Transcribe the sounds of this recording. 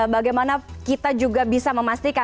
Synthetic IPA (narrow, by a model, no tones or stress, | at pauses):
baɡajmanakit̪ad͡ʒuɡabisaməmast̪ika